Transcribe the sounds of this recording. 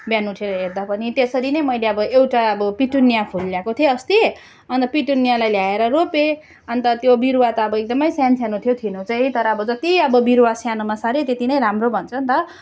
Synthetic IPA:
bjanuʈʰeɾʌɦerd̪apʌnit̪esʌɾinʌjmʌjleʌbʌewʈaʌbʌpiʈunːijapʰulːjakot̪ʰieʌst̪ie | ʌnt̪ʌpiʈunijalajljaeɾʌrope | ʌnt̪ʌt̪jobiɾuwat̪ʌʌbʌek̚d̪ʌmʌjsjansʰjanot̪ʰjot̪ʰinõt͡saj̃t̪ʌɾʌːbʌd͡zʌt̪iʌbʌbiɾwasjanomasaɾet̪et̪inʌjɾamrobʱʌnt͡sʰʌnt̪ʌ

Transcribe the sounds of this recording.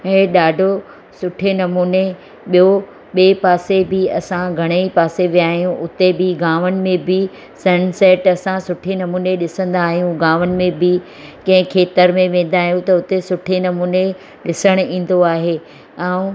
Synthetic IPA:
ɦẽɗaːɖʱo | sʊʈʰenɐmuːne | ɓijo | ɓeːpaːsebɪɐsãɡʱɐɽ̃eipaːseʋijaːɦijũʔʊt̪ebɪɡaːʋənɪ̆mẽbɪ | sɐnsɛːʈɐsãsʊʈʰenɐmuːneɗɪsə̃n̆d̪aːɦijũɡaːʋənɪ̆mẽbʱɪ | kɐ̃ɦɪ̃kʰeːt̪əɾmẽʋẽːn̆d̪aːɦijũt̪ɐʊt̪esʊʈʰenɐmuːne | ɗɪsəɽ̃ĩːn̆d̪oaːɦeː | aːũ

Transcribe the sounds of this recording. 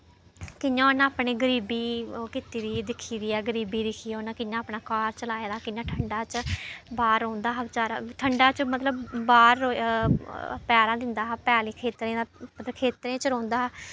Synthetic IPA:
kɪɲjãːnãːpneːɡəɾiːbiːkɪt̪iːd̪iːd̪ɪkʰːiːd̪iːɛːɡəɾiːbiːd̪ɪkʰiːonãːkɪɲãːpnaːkaːɾt͡ʃəlaːeːd̪aːkɪnãːʈʰəɳɖaːt͡ʃbaːɾõːnd̪aːɦt͡ʃaːɾaʈʰəɳɖaːt͡ʃmət̪ləbːaːɾːo | pjaːɾãːd̪ɪnd̪aːɦpɛːliːkʰeːt̪ɾẽːd̪aːpt̪kʰeːt̪ɾẽːt͡ʃəɾõːnd̪aː

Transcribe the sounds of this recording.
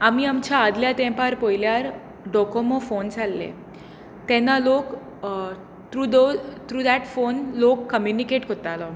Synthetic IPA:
amiəmt͡ʃʰaːd̪ljat̪ɛ̃pəɾpojljaɾ | ɖɔkomõfont͡ʃalːḛ | t̪ɛ̃nalok | t̪ɾud̪ot̪ɾuːd̪aʈfonlokːəmjunikeʈkət̪alo

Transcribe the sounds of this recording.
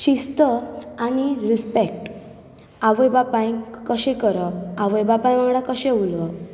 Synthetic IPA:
ɕist̪əañiɾispek̚ʈ | aʋəjbapãj̃kəɕekəɾəaʋəjbapãj̃m̤aŋɽakəɕẽulʋə

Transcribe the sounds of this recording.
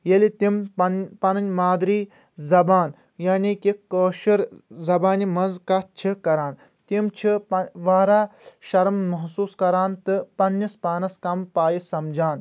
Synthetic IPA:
jelit̪imɐnpɐnɐnʲmaːd̪ɾiː | zɐbaːn | jaːnikikːoːʃɐɾzɐbaːnimɐnzkɐt̪̚t͡ʃʰikɐɾaːn | t̪imt͡ʃʰipɐʋaːɾaːʃɐɾmːɐɦsuːskɐɾaːnt̪ɨpɐnːispaːnɐskɐmpaːjisɐmd͡ʒaːn

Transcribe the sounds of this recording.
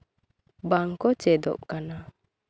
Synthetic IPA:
baŋkɔt͡ʃɛd̪ɔ̰ʔ̚kana

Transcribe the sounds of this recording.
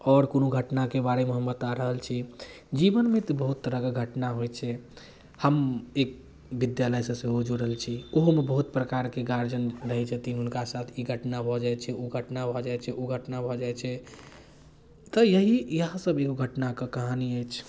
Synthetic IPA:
ɔɾkonoɡʱəʈnakebaɾemeɦəmbət̪aɾəɦəlt͡ʃʰi | d͡ʒibənmet̪ɔbəɦut̪ːəɾəɡəɡʱəʈnaɦojt͡ʃʰɛ | həmek̚ | bid̪jaləjsəsẽɦod͡ʒoɾəɦəlt͡ʃʰioɦmebəɦut̪pɾəkaɾkeɡaɾd͡ʒənɾəɦɛd͡ʒət̪iɦunkasat̪ʰiɡʱəʈnabʱɔd͡ʒajt͡ʃʰɛoɡʱəʈnabʱɔd͡ʒajt͡ʃʰɛoɡʱəʈnabʱɔd͡ʒajt͡ʃʰɛ | t̪ɔjəɦijəɦãsəbeɡoɡʱəʈnakəkəɦaniəjt͡ʃʰ

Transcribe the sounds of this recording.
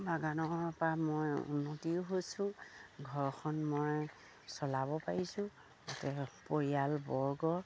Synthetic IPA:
baɡanɔpamɔjṵnːotiʊɦosʊ̃ɡʱɔɹxʰɔnmɔj | sɔlabɔpaɹisʊ̃ | ɡɔtɛpoɹijalbɔɹɡɔ

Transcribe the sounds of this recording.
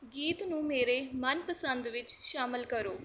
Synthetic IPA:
ɡiːt̪nũːmeːɾeːmənpəsənd̪ʋɪt͡ʃʃaːmɪlkəɾoː

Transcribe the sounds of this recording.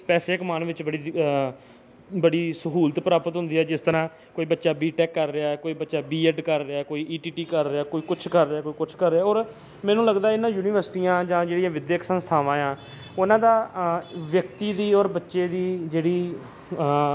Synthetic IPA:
pɛːseːkmaːnʋɪt͡ʃbəɽiː | bəɽiːsəɦuːlt̪pɾaːpət̪ɦʊ̃nd̪iːɛːd͡ʒɪst̪əɾãː | koːiːbətːʃaːbiːʈɛːkːəɾːeaːkoːiːbətːʃaːbiːɛɖkəɾːeaːkoːiːʔiːʈiːʈiːkəɾːeaːkoːiːkʊt͡ʃʰkəɾːaːkoːiːkʊt͡ʃʰkəɾːeaːɔːɾ | mɛ̃ːnũːləɡd̪aːɪnːãːjuːnɪːʋəɾsɪʈiːãːd͡ʒãːd͡ʒeːɽɪjãːʋɪd̪jeːksə̃nst̪ʰaːʋãːjãː | ʊnãːd̪aːʋjək̚t̪iːd̪iːɔːɾbətːʃeːd̪iːd͡ʒeːɽiː

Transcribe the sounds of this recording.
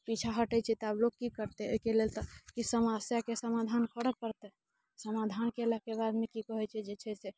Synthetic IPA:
pit͡ʃʰaɦəʈɛt͡ʃʰɛt̪ɔablokkikəɾt̪ɛo̰ikelelt̪ɔkisəməsjakesəmad̪ʱankəɽək̚pəɾt̪ɛ | səmad̪ʱankelakebad̪mekikəɦɛt͡ʃʰɛd͡ʒet͡ʃʰɛse

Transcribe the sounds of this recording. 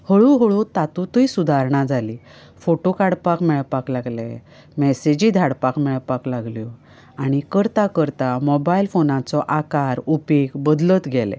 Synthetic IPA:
həɭuɦəɭut̪at̪ut̪əisud̪ʱaɾɳ̃ad͡zʱali | foʈokaɽpakmɛɭpaklaɡlɛ̰ | mɛsed͡ʑid̪ʱaɽpakmɛɭpaklaɡljɔ | aɽ̃ikəɾt̪akəɾt̪amɔbailfonãt͡sɔʔakaɾupekbəd̪lət̪ɡʱɛlɛ̰

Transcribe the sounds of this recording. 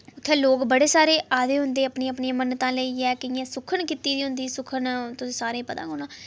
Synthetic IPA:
ʊt̪ʰːẽːloːkbəɽeːsaːɾeːʔaːd̪eːɦʊnd̪eːəpɳẽːpniːãːmənt̪ãːləiːɛːkɪɪjãːsʊkʰəɳkiːt̪iːd̪iːɦʊnd̪iːsʊkʰənt̪ʊĩːsaːɾẽːpəd̪ã̰ːkonãː

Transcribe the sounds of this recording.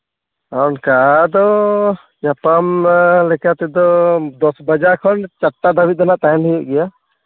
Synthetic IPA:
ankad̪ɔ | ɲapamlɛkat̪ɛd̪ɔd̪ɔsbad͡ʒakʰɔnt͡ʃatːad̪ʱabit̪̚d̪ɛnaʔt̪aɦɛniɛʔɡɛja

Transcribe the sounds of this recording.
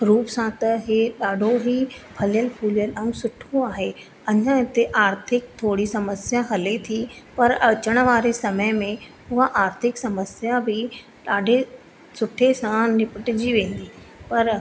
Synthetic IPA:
ɾuːpsãt̪ɐɦeɗaːɖʱoɦipʰɐljəlpʰuːlijəlɛ̃ũsʊʈʰũaːɦe | ɐɲãɪt̪eʔaːɾt̪ʰɪk̚t̪ʰoːɽisɐməsjaɦɐlet̪ʰipɐɾɐt͡ɕəɽ̃ə̆ʋaːɾesɐməjmẽ | ʊɦaʔaːɾt̪ʰɪksɐməsjabʱɪ | ɗaːɖʱe | sʊʈʰesãnɪpɪʈɪd͡ʑiʋẽːn̆d̪iː | pɐɾ

